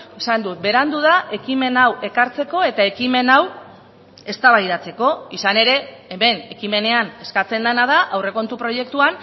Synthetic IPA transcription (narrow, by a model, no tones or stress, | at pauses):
esand̪ut̪̚be̞ɾand̪uð̞aʔe̞kime̞nawʔe̞kaɾt͡se̞ko̞e̞t̪ae̞kime̞naw | e̞st̪aβajðat͡se̞ko̞isane̞ɾe̞ːme̞ne̞kime̞ne̞ane̞skat͡se̞nd̪anað̞aʔawre̞ko̞nt̪upɾo̞je̞k̚t̪uan